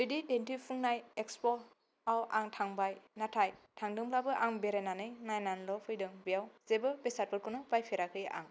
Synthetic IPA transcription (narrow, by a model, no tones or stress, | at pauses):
bɯjdidentipʰuŋnajekspɔ | awaŋtʰaŋbajnatʰajtʰaŋdɯŋblabɯʔaŋbeɾenanɯjnajnanlɔpʰɯjdɯŋbijawz̥ebɯbesat̚pʰɯɾ̚kʰɯnɔpajpʰeɾakʰɯja̰ŋ